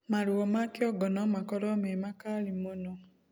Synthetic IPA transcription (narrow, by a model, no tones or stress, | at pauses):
maɾuɔmakjɔɡɔnɔmakɔɾɔmemakalimono